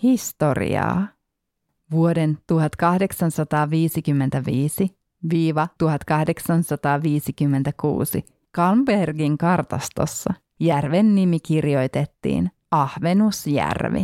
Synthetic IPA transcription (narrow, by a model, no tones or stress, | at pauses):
hist̪o̞rḭɑ̰ː | ʋuode̞nt̪uhɑt̪kɑhde̞ksɑnsɑt̪ɑːʋiːsikymːe̞nt̪æʋiːsi | ʋiːʋɑt̪uhɑt̪kɑhde̞ksɑnsɑt̪ɑːʋiːsikymːent̪ækṵːsḭ | kɑlmberɡiŋkɑrt̪ɑ̰st̪o̰sːɑ | jærʋenːimikirjo̞jt̪et̪ːḭːn | ɑhʋe̞nusjæ̰rʋḭ